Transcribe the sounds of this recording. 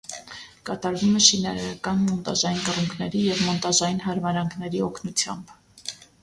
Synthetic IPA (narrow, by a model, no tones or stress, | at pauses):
kɑt̪ɑɾvumɛʃinɑɾɑɾɑkɑnmɔnt̪ɑʒɑjinkəruŋkʰnɛɾijɛvmɔnt̪ɑʒɑjinɦɑɾmɑɾɑŋkʰnɛɾiɔkʰnut͡sʰjɑ̰mb